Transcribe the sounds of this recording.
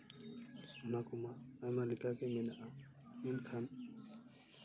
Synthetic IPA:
makumaːmaɾikakemɛnaʔa | minkʰan

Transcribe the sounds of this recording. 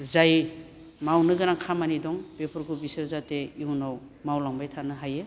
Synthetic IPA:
zaj | mawnɯɡɯɾaŋkʰamanidɔŋb̥epʰɔɾkubisɯɾzateiunaw | mawlaŋbajtʰanɯɦaje

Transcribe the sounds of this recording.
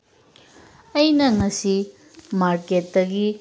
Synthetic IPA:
ɐjnɐŋɐsi | maɾket̚dɐɡi

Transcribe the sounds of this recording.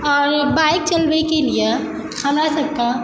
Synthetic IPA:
ɔːɾbaːɪk̚t͡ʃɐlʋekelie | kʰanasɐkːã

